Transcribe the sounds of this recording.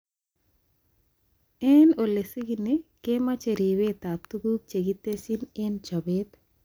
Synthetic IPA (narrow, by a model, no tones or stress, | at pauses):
ɛnolesiɡinikemat͡ʃeɾiwet̪ap̚t̪uɡuk̚t͡ʃeɡit̪ːesinent͡ʃɔbet̪